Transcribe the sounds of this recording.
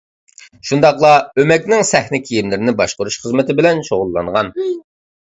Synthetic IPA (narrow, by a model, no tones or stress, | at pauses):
ʃund̪ɑqlˠɑømɛkʲnɪŋsɛhnɪkʲʰijimlɪɾɪnɪbɑʃqʊɾuʃχəzmɪt̪ɪbɪlɛnʃoʁʊlˠːɑɴʁɑn